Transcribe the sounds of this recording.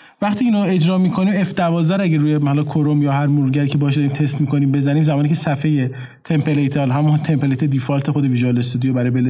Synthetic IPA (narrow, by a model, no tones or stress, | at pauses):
væχt̪ʰiːiːnoe̞d͡ʒɾɒːmiːkʰo̞niːme̞fd̪ævɒːzd̪æɾæɟæruːjehɒːlɒːkʰoɾomjɒːɦæɾmuɾɟæɾiːcʰe̞bɒɒʃ̬d̪ɒɾimt̪ʰe̞st̪miːkʰo̞niːmbe̞zæniːmzæmɒːniːcʰe̞sæfe̞je | t̪ʰempʰelejt̪ʰehɒlɦæmunt̪ʰempelejt̪ʰed̪ifɒːlt̪ʰe̞xod̪eviʒɒlest̪ud̪ijobæɾɒjbele